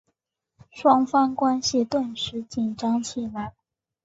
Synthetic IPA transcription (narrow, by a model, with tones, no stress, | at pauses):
ʂwɑ˥ŋfɑ˥ŋkwa˥nɕi˧t̪wə˥˩nʂɻ̩˧˥t͡ɕi˨˩nʈ͡ʂɑ˥ŋt͡ɕʰi˨˩la˧˥˩ɪ